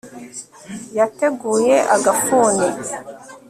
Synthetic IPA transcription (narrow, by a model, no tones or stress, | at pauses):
jate̞ɡuːjeʔaɡafuːne